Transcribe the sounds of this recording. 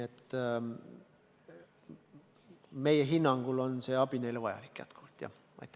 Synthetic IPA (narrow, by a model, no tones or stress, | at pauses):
et̪ | mejeɦinːɑŋɡ̥ulonseɑb̥ineileʋɑjɑ̰likːjæ̰t̪kʰu̥lt̪jɑ̰ | ɑ̰jt̪ːˑ